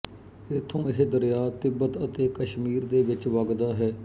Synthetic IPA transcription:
ɪt̪ʰːõːɪɦed̪əɾjaːt̪ɪbːət̪ət̪eːkəʃmiːɾd̪eːʋɪt͡ʃʋəɡd̪aːɦɛː

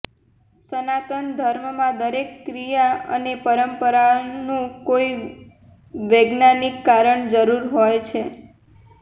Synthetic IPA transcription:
sənat̪ənd̪ʱəɾmmãd̪əɾekːɾijaə̰nepəɾəmpəɾanũkoi | ʋeɡnanikːaɾəɳd͡ʒəɾuɾɦojt͡ʃʰe

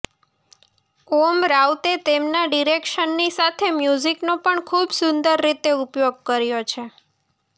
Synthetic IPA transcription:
komɾaut̪et̪emnaɖiɾekʃənːisat̪ʰemjuziknopəɳkʰubsʊ̃nd̪əɾːit̪eupjoɡ̚kəɾjot͡ʃʰe

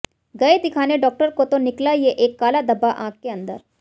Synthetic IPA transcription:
ɡəet̪ikʰaneɖɔːk̚ʈəɾkot̪oniklajeʔekːaːlad̪əbaʔãkːeənd̪ə̰ɾ

